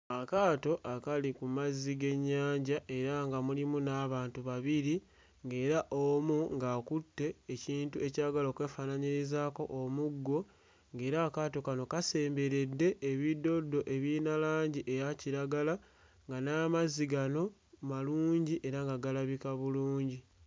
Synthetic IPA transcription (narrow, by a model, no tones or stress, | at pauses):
akaːto̞ʔakalikumaziɡe̞ɲːaːɲɟaʔe̞ɾaŋɡamulimunaːβaːntuβaβiɾi | ŋɡe̞ːɾaʔomuŋɡaːkutːe̞ːciːntue̞caɡaloːkwe̞ːfanaɲiɾizaːko̞̰ʔomuɡːo̞ | ŋɡe̞ːɾaːkaːto̞kano̞kase̞ːmbe̞ɾe̞dːe̞ʔeβido̞dːo̞ʔe̞βiːnalaːɲɟiʔe̞jaciɾaɡala | ŋɡanaːmaziɡano̞maluːɲɟiʔe̞ɾaŋɡaɡalaβikaβuluːɲɟi